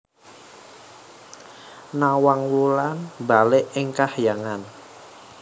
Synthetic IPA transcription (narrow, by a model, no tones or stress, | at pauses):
nawaŋwulanbalɪʔɪŋkahjaŋan